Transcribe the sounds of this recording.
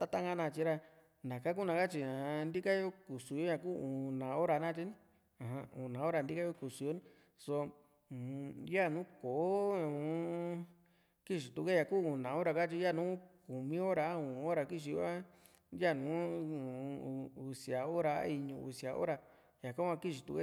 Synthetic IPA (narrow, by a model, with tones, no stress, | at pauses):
t̪a˦˧t̪a˦ŋɡa˦nã˧t͡ʃi˧ɾa˧ | nã˨ka˦ku˦nã˧ka˦t͡ʃi˧ã˨nd̪i˦ka˦jo˦ku˨su˧jo˦ã˧ku˦ũ˨nã˨o˦ɾa˧nã˦t͡ʃi˦ñ˦ | ã˨ã˧ũ˨nã˨˦o˦ɾa˧˨nd̪i˦ka˦jo˧ku˨su˨˧jo˦ñ˦ | so˧˨ | ja˦˨nũ˦ko˨˦ũ˧˦ | ki˦ʃi˨t̪u˧ke˦ja˧kuː˦ũ˨nã˨o˦ɾa˧ka˦t͡ʃi˧˦ja˦˨nũː˦ku˨mĩ˦o˦ɾa˧˦ũ˨˧o˦ɾa˧ki˦ʃ̬i˧jo̰˧˦a˦ | ja˦˨nũː˨˦ũ˨˧u˧si˧˨a˨o˦ɾa̰˧˦i˧ɲũ˧ṵ˧sja˨ʔo̰˦ɾa˧ | ja˨ka˦ã˧ki˦ʃ̬i˨˧t̪u˧ke˦